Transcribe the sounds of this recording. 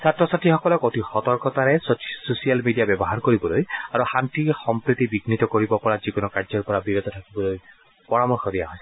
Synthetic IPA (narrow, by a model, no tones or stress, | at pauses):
satɹɔsatʰixɔkɔlɔkotixɔtɔɹkɔtaɹɛssosijalmidijabjɔbɔɦaɹkoɹibɔlojaɹuxantixɔmpɹit̪ibiɡnitɔkoɹibɔpɔɹazikunɔkaɹzɔɹpɔɹabiɹod̪ɔtʰakibɔloj | pɔɹamɔɹxɔdijaɦɔj